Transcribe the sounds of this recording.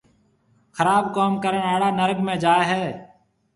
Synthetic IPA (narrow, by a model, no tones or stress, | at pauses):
xʰəɾaːbkoːmkəɾəɳaːɽaːnəɾɡmẽːd͡ʒaːeɦɛː